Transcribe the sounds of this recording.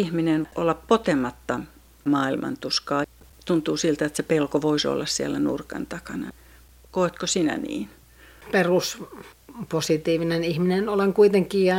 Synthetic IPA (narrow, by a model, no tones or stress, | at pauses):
ihminenʔolːɑppot̪emɑt̪ːɑ | mɑːilmʔɑ̰nt̪uskɑː | t̪unt̪uːsilt̪æet̪sepelkoʋoiso̰lːɑssiælːænṵrkɑ̰nt̪ɑkɑnɑ | koˑet̪kosinæ̰nḭːn | perus | posit̪iːʋinenihminenoleŋkuit̪eŋkiːjɑ